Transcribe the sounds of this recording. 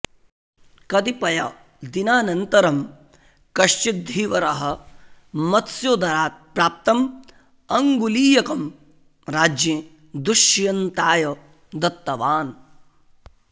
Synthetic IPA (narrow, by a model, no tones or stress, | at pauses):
kɐt̪ipɐjɐ | d̪inaːnɐnt̪ɐɾɐm | kɐʃt͡ʃid̪ʱiːʋɐɾɐɦɐ̆ | mɐt̪sjod̪ɐɾaːt̪̚pɾaːp̚t̪ɐm | ɐŋɡuliːjɐkɐm | ɾaːd͡ʒjẽ | d̪uʃjɐnt̪aːjɐ | d̪ɐt̪ːɐʋaːn